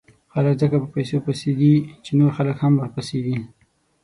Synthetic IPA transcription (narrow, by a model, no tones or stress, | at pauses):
xaləkzəkapəpajsopaseɡ̪it͡ʃenoɾxaləkhamwəɾpaseɡ̪i